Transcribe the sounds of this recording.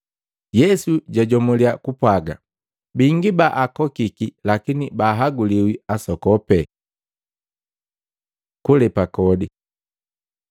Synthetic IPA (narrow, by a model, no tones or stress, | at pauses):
jɛsuɟaɟɔmuliakupwaɡa | biŋɡibaʔakɔkikilakinibaːɦaɡuliwiasɔkɔpɛ | kulɛpakɔdi